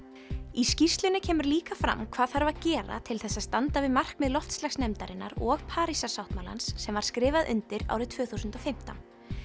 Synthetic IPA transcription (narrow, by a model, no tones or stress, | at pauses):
iscir̥st̪lʏnɪcʰɛːmʏɾliːkafɾa̰mkʰv̥aːðθaɾvaðcɛːɾa̰t̪ʰɪlθɛsːaðst̪ant̪avɪðmar̥kmɛðlɔft̪slaxsnɛmt̪aɾɪnːa̰ɾɔɣpʰaːɾisasawht̪mala̰nsːɛmvaɾ̥skɾɪːvaðʔʏ̰nt̪ɪɾa̰wɾɪðt̪ʰv̥œːθusʏnt̪ɔfɪm̥t̪a̰n